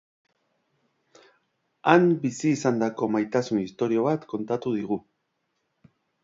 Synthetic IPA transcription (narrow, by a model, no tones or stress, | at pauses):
ambisiːsand̪ako̞majt̪asunist̪o̞ɾio̞β̞at̪ko̞nt̪at̪uð̞iɣ̞u